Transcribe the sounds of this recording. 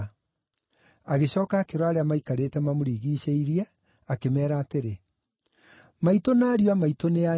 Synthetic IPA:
aɣeɕɔːkaːkeɾwaːɾeamaikaɾetɛmamoɾiːɣiːɕeiɾiɛ | akemɛːɾaːteɾe | maitonaːɾiwamaitonea

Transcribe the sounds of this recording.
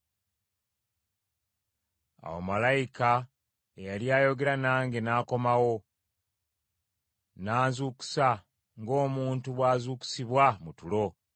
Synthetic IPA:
a̰wo̰malajika | ejaljaːjo̞ɡe̞ɾanaːŋɡenaːko̞mawo̞ | naːzuːku̥sa | ŋɡo̞ːmuːntuβwaːzuːku̥siβwamutulo̞

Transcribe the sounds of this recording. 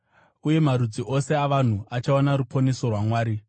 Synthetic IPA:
uje̞maɾud͡ziʔo̞se̞aʋan̤uat͡ʃaonaɾupo̞ne̞so̞rwamwaːɾi

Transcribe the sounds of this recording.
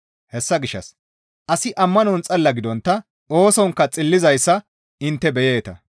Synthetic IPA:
hɛsːɐɡɪʃːɐ̰s | ʔɐsɪʔɐmːɐnɔnt͡sʼɐlːɐɡɪd̪ɔnt̪ːɐ | ʔo̞ːsɔŋkːɐt͡sʼɪlːɪzɐjsːɐ | ɪnt̪ːɛbɛjeːt̪ɐ

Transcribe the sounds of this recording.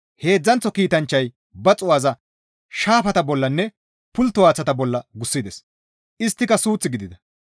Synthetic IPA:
he̞ːd͡zːɐnt͡sːɔkiːt̪ɐnt͡ʃːɐj | bɐt͡sʼʊwaːzɐ | ʃaːpɐt̪ɐbɔlːɐnːɛ | pʊlt̪ːʊwaːt͡sːɐt̪ɐbɔlːɐɡʊsːɪd̪ɛs | ʔɪst̪ːɪkɐsuːt͡sːɪɡɪd̪ɪd̪ɐ

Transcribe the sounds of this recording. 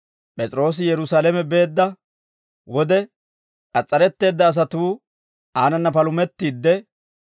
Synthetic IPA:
pʼɛt͡sʼɾo̞ːs̬ɪjɛɾʊsaːlɛmɛbe̞ːd̪ːɐ | wɔd̪ɛ | kʼɐt͡sʼːɐɾɛt̪ːe̞ːd̪ːɐːs̬ɐt̪uː | aːnɐnːɐpɐlʊmɛt̪ːiːd̪ːɛ

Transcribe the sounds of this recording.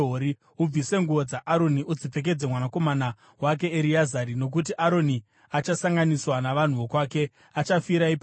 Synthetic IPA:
oɾi | ub͡vise̞ŋɡuʋod͡zaʔːɾo̞niud͡zip͡fe̞k̬e̞d͡zemwanako̞mana | wak̬e̞ːɾiazaɾino̞k̬ut̬iʔaɾo̞ni | at͡ʃasaŋɡaniswanaʋan̤uʋokwaːke̞ | at͡ʃafiɾaipː

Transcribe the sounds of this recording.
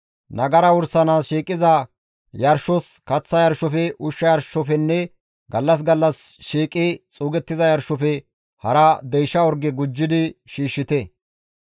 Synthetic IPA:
nɐɡɐɾɐwʊɾsɐnaːsʃiːkʼːɪzɐ | jɐɾʃɔskɐt͡sːɐjɐɾʃɔfɛʔʊʃːɐjɐɾʃɔfɛnːɛ | ɡɐlːɐs̬ɡɐlːɐsʃiːkʼːɪt͡sʼuːɡɛt̪ːɪzɐjɐɾʃːɔfɛ | hɐɾɐd̪ɛjʃːɐɔɾɡɛɡʊd͡ʒːɪd̪ɪʃiːʃːɪt̪ɛ

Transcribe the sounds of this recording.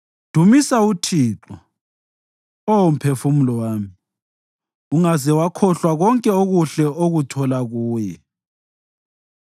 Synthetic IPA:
d̥ʱumisautʰiːǁɔ | oum̩pʰefumulɔwaːmi | uŋazɛwakʰɔɬwaɣɔŋkʼɛoɣuɬɛʔoɣutʰɔlaɣuːjɛ

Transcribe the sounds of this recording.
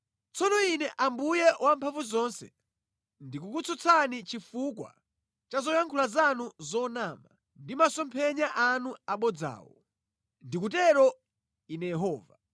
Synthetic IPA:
t͡sʰɔnɔinɛʔambujɛwʔampʰaɱvuzɔnsɛ̰ | ndik̬ukut͡sʰut͡sʰanit͡ʃifuk̬wa̰ | t͡ʃazɔjaŋkʰulazanuzɔnaːma | ndimasɔmpʰɛɲaʔanuaɓɔd͡za̰ːwɔ̰ | ndik̬utɛɾɔ | inɛjɛɦɔːva

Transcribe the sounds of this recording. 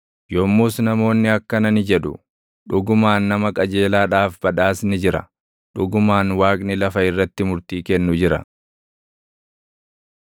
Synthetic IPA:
jɔmːuːsnɐmo̞ːnːɪɐkːɐnɐnɪd͡ʒɛᶑʊ̰ | ᶑʊɡʊmaːnːɐmɐkʼɐd͡ʒeːlaːᶑaːfb̥ɐᶑaːsnɪd͡ʒɪɾɐ̰ | ᶑʊɡʊmaːnwaːkʼnɪlɐfɐɪrːɐt̪ːɪmʊɾt̪iːkɛnːʊd͡ʒɪɾɐ̰

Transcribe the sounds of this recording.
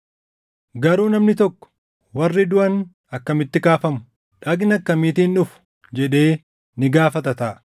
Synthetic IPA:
ɡɐɾuːnɐmnɪt̪ɔkːɔ̥ | wɐrːɪd̪ʊʔɐn | ɐkːɐmɪt̪ːɪkaːfɐmʊ̥ | ᶑɐɡnɐkːɐmiːt̪iːnːʊfʊ̥ | d͡ʒɛᶑe̞ː | nɪɡaːfɐt̪ɐt̪ɐːʔ

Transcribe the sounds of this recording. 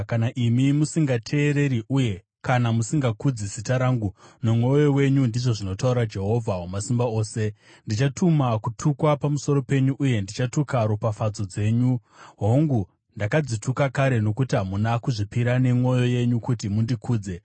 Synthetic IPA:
kanaʔimimusiŋɡatʰe̞ːɾe̞ɾiʔuje̞ | kanamusiŋɡakud͡zisitaɾaːŋɡunomwo̞jo̞we̞ɲundiʐo̞ʐino̞tauɾad͡ʒe̞ɦo̞vʱawomasimbao̞ːse̞ | ndit͡ʃatʰumakutʰukwapamuso̞ɾo̞pe̞ɲuʔuje̞ndit͡ʃatukaɾupafad͡zo̞d͡ze̞ːɲuɦo̞ŋɡu | ndakad͡zitʰukakaɾe̞no̞kutiɦamunakuʐipiɾane̞mŋo̞jo̞je̞ɲukutimundikʰuːd͡ze̞

